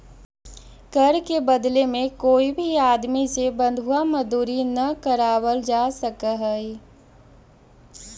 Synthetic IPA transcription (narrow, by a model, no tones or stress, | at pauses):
kɐɾkebɐd̪lemẽkoːibʱiaːd̪misebɐ̃nd̪ʱuamɐd̪uːɾinɐkəɾaːwəld͡ʒaːsəkəɦɛi